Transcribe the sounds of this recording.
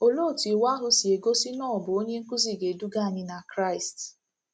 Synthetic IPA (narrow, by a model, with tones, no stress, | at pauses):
o˦lo˦˨ti˨wa˦ɦʊ˦si˨e˨ɡo˦si˦nɔ̃ː˦˨ɔ˨bʊ˨o˦ɲe˦ŋ̩˦ku˦zi˦˨ɡe˨du˦ɡa˦˨ɲɪ˦na˨kɾa˦˨ɪ˨st